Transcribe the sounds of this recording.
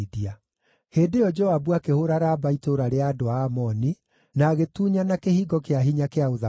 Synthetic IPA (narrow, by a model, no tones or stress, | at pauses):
ðia | heːdejɔd͡ʒɔabuakehoɾaɾaːbaitoɾaɾeaːdoaːmɔni | naːɣetuːɲanakehiːɡɔkeaɦiɲakeaoða